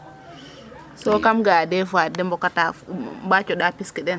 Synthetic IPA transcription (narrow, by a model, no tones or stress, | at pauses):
sɔkamɡadɛfadɛmbɔkatambat͡ʃɔɗapiskiɗɛn